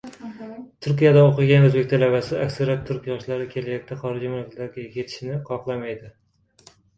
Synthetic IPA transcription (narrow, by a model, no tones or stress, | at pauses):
t̪ʰʊɾkʲijad̪aoqɨɡʲanɵzbe̞kʲt̪ʰalavasɪakʲsaɾap̚t̪ʰʊɾkʲjɒʃlaɾɪkʲʰe̞lajak̚ʲt̪ʰaχɒɾɪd͡ʒɪmlɪklaɡʲɪkʲʰet̪ʰɪ̥ʃɪnɪqʰɒqlˠamajd̪ɪ